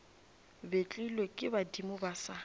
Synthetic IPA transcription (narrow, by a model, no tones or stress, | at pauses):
bet͡ɬʼilwekʼɪbadimʊbasa